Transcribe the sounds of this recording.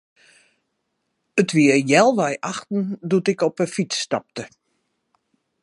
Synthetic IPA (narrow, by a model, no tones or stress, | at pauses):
ətʋiəjɛlˠʋɛjʔaxtn̩dutɪkɔpəfit͡sːtɑp̚tə